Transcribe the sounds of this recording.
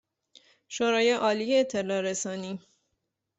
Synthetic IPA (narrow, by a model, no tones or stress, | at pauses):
ʃoɾɒːjeʔɒːlijeːt̪ʰːe̞lɒːɾesɒːniː